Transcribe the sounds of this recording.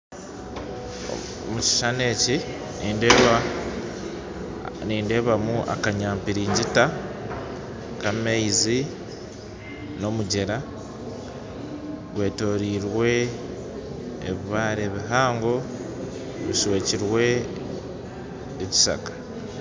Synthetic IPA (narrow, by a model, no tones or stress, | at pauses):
o̰ | muci̥ʃane̞ːci | niːnd | niːnde̞ːβamuʔa̰kaɲaːmpiɾiːɲɟita | kameizi | no̞muɟeɾa | ɡwe̞ːto̞ːɾiːɾwe̞ | βiβaːɾeβiɦaːŋɡo̞ | βiʃwe̞ːciɾwe̞ | eci̥sa̰kḁ